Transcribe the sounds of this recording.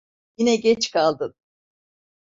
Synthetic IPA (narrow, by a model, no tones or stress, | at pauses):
jinɛɟɛt͡ʃkʰalˠd̪ɯn